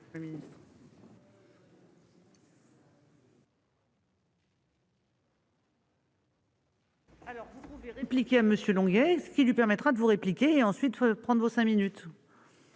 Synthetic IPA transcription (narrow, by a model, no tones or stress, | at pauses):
minist̪ | alɔʁvupuveʁeplikʲeaməsjølɔ̃ɡɛsəkʲilɥipɛʁmɛt̪χad̪əvuʁeplikʲeːɑ̃sɥit̪pχɑ̃d̪ʁvosɛ̃minyt̪